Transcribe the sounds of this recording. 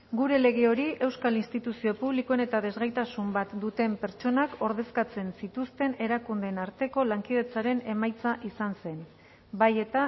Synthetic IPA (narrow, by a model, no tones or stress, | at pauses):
ɡuɾe̞le̞ɣ̞eo̞ɾiʔe̞wskalinst̪it̪usio̞puβ̞likoene̞t̪aðe̞zɣajt̪asumbat̪d̪ut̪e̞mpe̞ɾt͡ʃo̞nakʰo̞ɾðe̞skat͡se̞nsit̪ust̪e̞ne̞ɾakund̪e̞naɾt̪e̞ko̞laŋkið̞e̞t͡saɾe̞ne̞majt͡saʔisanse̞n | baje̞t̪a